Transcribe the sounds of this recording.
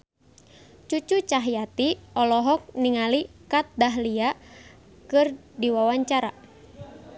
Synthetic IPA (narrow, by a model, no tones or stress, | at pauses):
t͡ʃut͡ʃut͡ʃaɦjat̪iɔlɔɦɔk̚niŋalikat̪̚daɦlia | kɨr | diwawaɲt͡ʃaɾa